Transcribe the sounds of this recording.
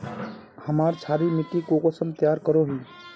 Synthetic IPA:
həmaːɾt͡ʃʰaːɾimɪʈ̪ːikokosəmt̪jaːɾkəɾoɦiː

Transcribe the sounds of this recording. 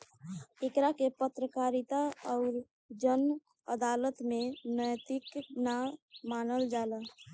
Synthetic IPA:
ekɾakepət̪ɾəkaɾit̪aɔʊɾ | d͡ʒən | əd̪alət̪menəjt̪iknamanəld͡ʒalə

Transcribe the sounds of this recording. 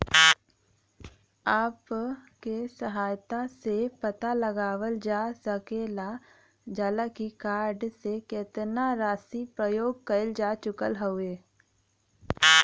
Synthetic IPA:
aːpkesəɦaːjt̪asepət̪aləɡaːʋəld͡ʒaːsəkeːla | d͡ʒaːlakikaːɾɖsekɪːt̪naɾaːsipɾəjoːɡ̚kəɪld͡ʒaːt͡ʃʊkəlɦoʊeː

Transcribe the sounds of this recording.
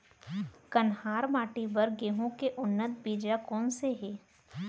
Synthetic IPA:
kənhaːɾmaːʈibəɾɡeːɦõkeʔʊnːət̪biːd͡ʒakɔːnseɦɛː

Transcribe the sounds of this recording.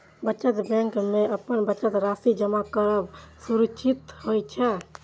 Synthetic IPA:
bəːt͡ʃət̪bɛ̃ŋkmeəpənbəːt͡ʃət̪ɾasid͡ʒəmakəɾəbsuɾut͡ʃʰit̪ɦojt͡ʃʰɛ

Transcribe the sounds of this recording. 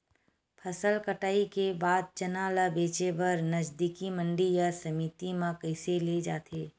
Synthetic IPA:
pʰəsəlkəʈaːikebaːd̪̚t͡ʃɐnaːlabeːt͡ʃebəɾnəd͡ʒd̪ikimə̃ɳɖijasəmit̪imãkəɪseled͡ʒaːt̪ʰeː

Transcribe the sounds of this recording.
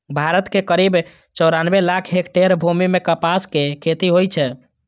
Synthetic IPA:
bʱaɾət̪kekəɾib | t͡ʃɔɾanbelakʰɦekʈeɾbʱumimekəpaskekʰet̪iɦojt͡ʃʰɛ

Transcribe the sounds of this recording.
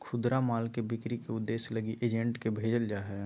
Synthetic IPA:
kʰʊd̪ɾamaːlkebɪkɾikeʊd̪ːeːsləɡiʔeːd͡ʒẽɳʈkebʱeːd͡ʒəld͡ʒaːɦɛ

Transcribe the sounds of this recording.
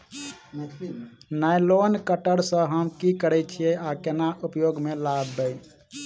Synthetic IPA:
najlonkəʈəɾsə̃ɦəmkikəɾɛt͡ʃʰieakenaʔupjoɡmelabːəj

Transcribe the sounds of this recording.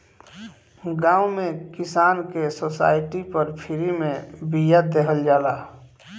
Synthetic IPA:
ɡãːʊmẽkɪsaːnkesosa̰ːɪʈipəɾpʰiɾimẽbijad̪eɦəld͡ʒaːlaː

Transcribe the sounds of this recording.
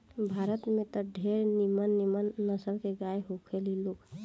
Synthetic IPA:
bʱaɾət̪mẽt̪ɔɖʱeɾnimənːimənːəsəlkeɡajɦokʰeliloːk

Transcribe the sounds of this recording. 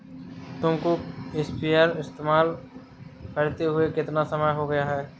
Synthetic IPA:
t̪ʊ̃mkoespiaːɾɪst̪eːmaːl | kɐɾt̪eɦʊekɪt̪nasɐməjɦoɡɐjaɦɛː

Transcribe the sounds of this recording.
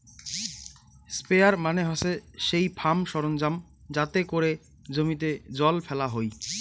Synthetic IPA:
speaɾmaneɦɔseʃejpʰamʃɔɾond͡ʑam | d͡ʑat̪ekoɾe | d͡ʑomit̪̬ed͡ʑɔlfʰɛlaɦoj

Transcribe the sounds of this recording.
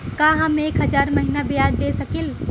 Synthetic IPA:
kãːɦɐmeːkɦɐd͡ʒaːɾmɐɦinabɪjaːd̪d̪eːsɐkɪl

